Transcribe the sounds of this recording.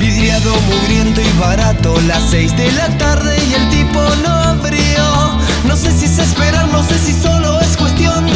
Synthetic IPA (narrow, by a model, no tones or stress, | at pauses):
biðɾjaðo̞muβɾje̞nt̪oiβaɾat̪o̞lase̞jzðe̞lat̪aɾðe̞je̞lt̪iponoaβɾi | o | no̞se̞sisespe̞ɾaɾno̞se̞siso̞lo̞e̞skwe̞st̪jo̞n